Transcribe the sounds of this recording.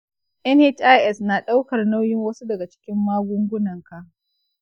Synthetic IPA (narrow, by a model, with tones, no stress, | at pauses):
ʔɛ˦nhe˦t͡ʃʔa˦jʔɛ˦snaː˨ɗa˦wkɐ˨rna˦wjɪ˦ŋwɐ˦su˦dɐ˨ɡa˨t͡ʃɪ̥˦kʲɪ˦mːaː˦ɡʷʊ˦ŋɡʷʊ˦nɐ˨ŋka˨ʔ